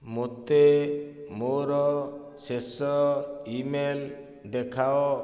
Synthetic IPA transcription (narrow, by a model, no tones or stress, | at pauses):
mot̪e | moɾɔ | sesɔimel | d̪ɛkʰaɔ